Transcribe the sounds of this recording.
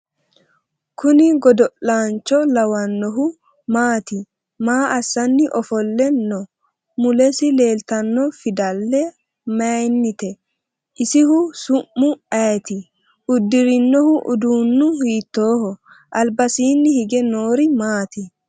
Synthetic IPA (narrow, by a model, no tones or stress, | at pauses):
kʰʊnɪɡɔd̪ɔʔaːnt͡ʃːɔlɐwɐnːɔɦʊ | maːt̪ɪ | maːʔɐsːɐnːɪʔɔfɔlːɛnɔ | mʊlɛsɪle̞ːlt̪ɐnːɔfɪd̪ɐlːɛ | mɐjnːɪt̪ɛ | ʔɪsɪhʊsʊʔːʊɐjt̪ɪ | ʊd̪ːɪɾɪnːɔhʊʔʊd̪uːnːʊhiːt̪ːoːhɔ | ʔɐlbɐsiːnːɪhɪɡɛnoːɾɪmaːt̪ɪ